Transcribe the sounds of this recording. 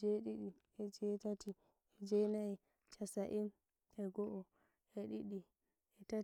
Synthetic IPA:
d͡ʒeɗiɗi | ɛd͡ʒɛtati | ɛd͡ʒɛnai | t͡ʃasaʔim | ɛɡɔʔɔ | ɛɗiɗi | ɛta

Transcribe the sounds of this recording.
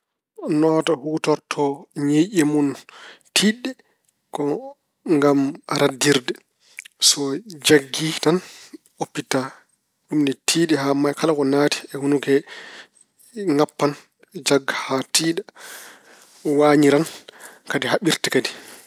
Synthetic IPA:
nɔːtahuːtɔɾtʰɔɲiʔɛmuntʰiːɗɛ | kɔ | ŋɡamɾʔadːiɾdɛ | sɔd͡ʒaɡːitan | ʔopːita | ɗumdɛtʰiːɗɛhamajkʰalakɔnaːti̥ɛhunukɛ | ŋapːan | d͡ʒaɡːahatiːɗa | waːɲiɾankadiɦaɓiɾtikadi

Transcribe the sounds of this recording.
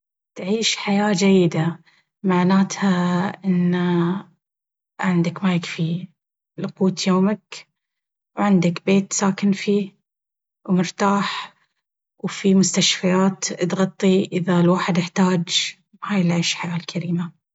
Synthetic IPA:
t̪ʕiːʃħajaːd͡ʒajːɪd̪a | maʕnaːt̪haʔɪnː | ʕɪnd̪akmajɪkfi | lʊquːt̪joːmak | wʕɪnd̪akbeːt̪saːkɪnfiː | wmʊɾt̪aːħ | wfimʊst̪aʃfajaːt̪t̪ɣɑt̪ˤːiʔɪðalwaːħɪd̪ɪħt̪aːd͡ʒ | haːjɪlʕiːʃħajaːlkʰaɾiːma

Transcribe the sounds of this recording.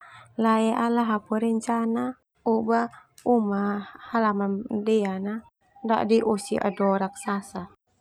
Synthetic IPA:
laɛalaɦapuɾɛɲt͡ʃana | ubaumahalamandɛana | da̰ʔdiʔusḭʔa̰dɔɾak̚sasa

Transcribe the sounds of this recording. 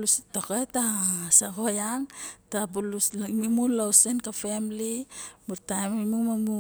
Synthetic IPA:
lustoketasaɡojaŋtabulusmimulawsenkafemlimuɾtajmimumamu

